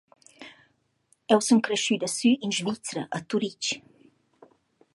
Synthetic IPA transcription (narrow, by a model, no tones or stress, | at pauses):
ɛwsuŋkɾeʃyd̪əsyʔinʒvit͡sɾəʔat̪uɾit͡ʃ